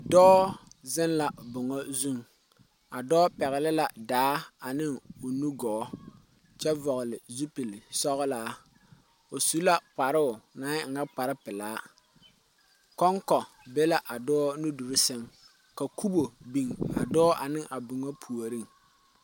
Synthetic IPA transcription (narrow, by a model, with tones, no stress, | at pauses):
dɔː˦zɪ˦nla˨bʊ˨ŋɔ˦zu˦ŋ | a˨dɔː˦pɛ˨ɣɪ˨lɪ˦la˨daː˨˦a˨nɪ˦ŋo˨nu˦ɡɔː˨˦ | t͡ʃɛ˦vɔ˨ɣʊ˨lɪ˨zu˦pi˨lsɔ˦ɣlaː˨˦ | o˨su˦la˦k͡pa˨ɾʊ˦ʊ˨naː˨˦ŋ̩˨ɡa˦k͡pa˨ɾɪ˦pɪ˨laː˨˦ | kɔ˦ŋkɔ˨ | be˦la˦ʔa˨dɔː˦nu˦du˨ɾɪ˦sɪ˦m | ka˨ku˦bo˨bi˨ŋa̰˨dɔː˦ʔa˨nɪ˦ŋʔa˨bʊ˨ŋɔ˦pʰu˨o˨ɾi˦˨ŋ